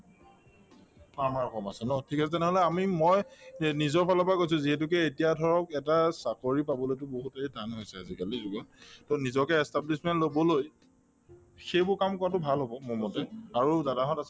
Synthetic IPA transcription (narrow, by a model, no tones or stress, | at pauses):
kaɹmaɹɔkɔmasɛnɔtʰikas̬ɛtɛnɛɦɔlɛamimɔjnizɔɹpʰalɔpakojs̬ʊ̃ziɦɛt̬ʊk̬ɛetijadʱɔɹɔkɛtasakoɹipabɔlojtʊboɦuteidʱanɦojsɛa̰zikalizuɡɔntɔnizɔkɛɛstablismɛntlobɔloj | xejbʊɹkamkɔɹatʊbʱalɦɔbɔmʊmɔtɛaɹuzadaɦɔtas